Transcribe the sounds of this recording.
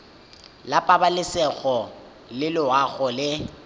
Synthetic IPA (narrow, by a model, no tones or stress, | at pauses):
lapʼabalɪsɛɣɔ | lɪlɪwaɣɔlɪ